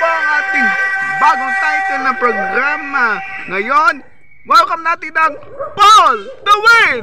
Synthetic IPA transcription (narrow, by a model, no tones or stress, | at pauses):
aŋaːt̪ɪŋbaːɡot̪aŋk̪ɐnɐpɾoɡɾaːmɐŋɐjon | wɐlokɐmnaːt̪ɪnɐŋpold̪ɐwɪn